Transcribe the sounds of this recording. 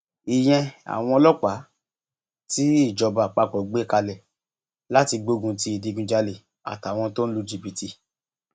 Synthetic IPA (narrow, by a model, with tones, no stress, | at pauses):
i˨j̃ɛ̃˧a̰˨w̃ɔ̃˧˦lɔ˦k͡pa˨˦ | ti˦i˦˨d͡ʒɔ˧ba˨k͡pa˧˨k͡pɔ˨ɡ͡be˦˨ka˧lɛ˨ | la˦ti˧ɡ͡bo˧˦ɡũ˧ti˧i˨di˨˧˨ɡũ˧d͡ʒa˧le˨ | a̰˨ta˨w̃ɔ̃˧to˦n̩˦lu˧d͡ʒi˧bi˧ti˧